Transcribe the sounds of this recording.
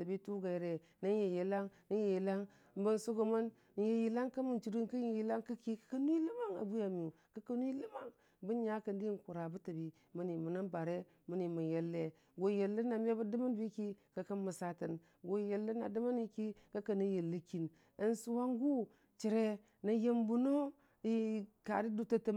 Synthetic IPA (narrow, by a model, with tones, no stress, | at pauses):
ta˨bi˦tu˦ɡa˨je˨ɾe˨ | na˦nje˨je˨la˦ŋnə˦je˨ji˨la˦ŋ˦ | bə˦nsu˦ɡo˨ma˦n˨ | je˨ji˨la˦ŋka˦mu˨nt͡ʃi˨ɾi˦nkə˦e˨ji˨˦la˦ŋka˦ki˦kḁ˨˦ka˦nu˦i˦lə˦ma˦ŋa̰˨bu˦ja˨mi˨u˨ | ka˦ka˦nu˦i˦lə˦ma˦ŋ | bə˦n˦ɲa˦kə˨n˦di˦n˨ku˨ɾa˨bu˦tə˨bi˨ | mə˦ni˨mu˨na˦nba˨ɾe˦ | mə˦ni˨ma˨je˨lːe˦ | ɡo˨˦je˨lːə˦na˨m˦a˦bə˦də˦ma˦n˦bi˦ki˦ka˨ka˦nmə˨sa˦tə˨n | ɡo˨je˨lːe˦na̰˨də˦ma˦ni˦ki˦ka˦ka˨nə˦je˨lːə˦ki˨n | ə˨˦nsu˨wa˦ŋɡu˦ | t͡ʃi˨ɾe˦ | na˨je˦mbu˨no˦ | i˦˨ka̰˨di˦du˦˨ta˦tə˦